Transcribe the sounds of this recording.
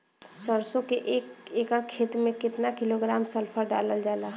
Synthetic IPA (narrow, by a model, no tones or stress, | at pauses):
səɾsokeʔekekəkʰet̪mẽkɪt̪nakiloɡɾamsəlpʰəɾɖaləld͡ʒala